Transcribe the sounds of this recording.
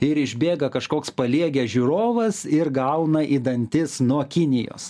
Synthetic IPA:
ɪɾɪʒʲbʲeːɡɐkɐʃkoːkspɐlʲiɛɡʲæʒʲuɾoːʋɐsɪɾɡɐʊnɐʔid̪ɐnʲt̪ʲɪsnuɔkʲɪnʲɪjo̰ːs

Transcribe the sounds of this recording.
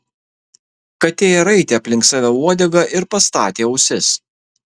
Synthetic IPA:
kɐt̪ʲeːjɛɾɐɪt̪ʲeːɐpʲlʲɪŋksɑːʋʲɛuɔd̪ʲɛɡɐʔɪɾpɐst̪ɑːt̪ʲeːɐʊsʲɪs

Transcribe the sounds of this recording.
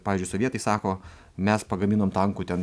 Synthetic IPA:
pɑːʋʲɪzʲd͡ʒʊɪsoʋʲiɛt̪ɐɪsɑːkoː | mʲɛspɐɡɐmʲiːnoːmt̪ɐŋkuːt̪ʲɛn

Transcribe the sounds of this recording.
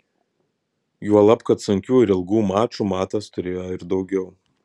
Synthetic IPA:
juɔlˠɐpkɐt̪sʊŋʲkʲuːɪɾɪlˠɡuːmɑːt͡ʃuːmɑːt̪ɐst̪ʊɾʲeːjoɪɾd̪ɒʊɡʲɛʊ

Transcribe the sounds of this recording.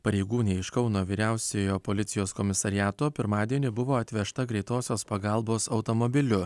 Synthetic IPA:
pɐɾʲɛɪɡuːnʲɛːɪʃkɒʊnoːʋʲiːɾʲæˑʊsʲejoːpoːlʲɪt̪sʲɪjoːskɔmʲɪsɐɾʲɪjæːt̪oːpʲɪɾmɑːd̪ʲiɛnʲɪbʊʋoːɐt̪ʲʋʲɛʃt̪ɐɡɾʲɛɪt̪oːsʲoːspɐɡɐlˠboːsɐʊt̪omobʲɪlʲʊ

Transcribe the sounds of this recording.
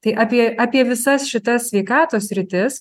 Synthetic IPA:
t̪ɐɪʔɑːpʲiɛɑːpʲiɛʋʲɪsɐsʃʲɪt̪ɐssʲʋʲɛɪkɑːt̪oːsʲsʲɾʲɪt̪ʲɪs

